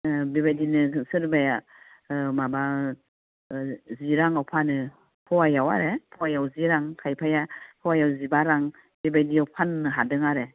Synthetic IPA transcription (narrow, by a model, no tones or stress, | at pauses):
biβajdinɯsɯɾbaja | maba | ziɾaŋawpʰanɯ | pʰɔwajawa̰ɾepʰɔwajawziɾaŋkʰajpʰajapʰɔwajawzibaɾaŋ | bibajdiawpʰanːɯɦadɯŋaɾe